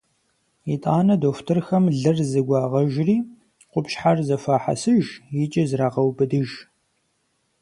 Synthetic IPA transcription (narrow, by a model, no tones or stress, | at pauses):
itʼaːnɐdoːftʰɨrxɐmɮɨrzɨɡʷɑːʁɐʒriː | qʷʊpʃħarzɐfaːħa̰sɨʒjɪt͡ʃʼɐzraːqɐwbɨdɨʒ